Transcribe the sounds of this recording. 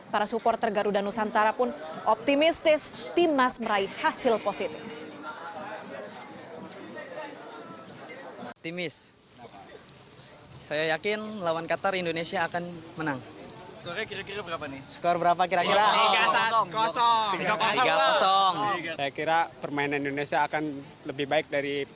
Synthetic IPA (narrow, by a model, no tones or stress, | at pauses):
paɾasupɔrt̪ərɡaɾudanusant̪aɾapʊnʔɔp̚t̪imist̪ɪst̪imasməɾaihasɪlposit̪ɪf | op̚t̪imɪs | sajajakɪnlawankat̪arindonesiaːkanmənaŋsə̥kkiɾakiɾabəɾapanisə̥kaarbəɾap̬akiɾakiɾaɡakɔsɔiɡaiɡakɔsɔŋsajakiɾapərmainanindonesiaːkan | ləbɪhbaɪk̚daɾi